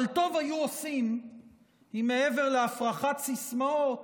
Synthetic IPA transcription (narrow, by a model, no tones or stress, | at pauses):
lt̪o̞vajuosim | hime̞eve̞ʁleafʁaχat̪sismaot